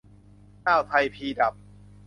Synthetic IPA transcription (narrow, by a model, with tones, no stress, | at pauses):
kaː˥˩wt̪ʰa˧jpʰiː˧da˨˩p̚